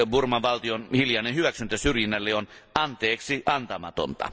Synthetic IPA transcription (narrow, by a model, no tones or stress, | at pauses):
burmɑʋʋɑlt̪ionhiljɑˑnehyʋæksynt̪ːæsyrjinːælːeon | ʔɑnt̪eːksiʔɑnt̪ɑmɑ̰t̪o̰nt̪ɑ̰